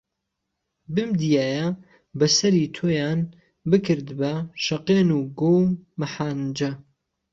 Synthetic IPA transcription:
bɨmd̪ijaːjɐ | bɐsɐɾiːt̪ʰoːjaːn | bɨkʰɨɾd̪bɐʃɐqeːnuːɡowmɨħaːnd͡ʒɐ

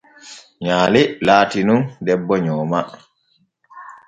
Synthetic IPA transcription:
ɲaːlilaːtinundɛbːɔɲɔːma

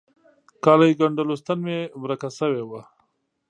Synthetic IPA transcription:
kɑlajɡaɳɖalost̪anmemɾakasəwewa

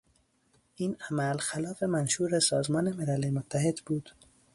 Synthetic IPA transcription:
ʔiːnæmælxælɒːfemænʃuːɾesɒːzmɒːne̞melælemot̪ʰːæhed̪buːd̪̥

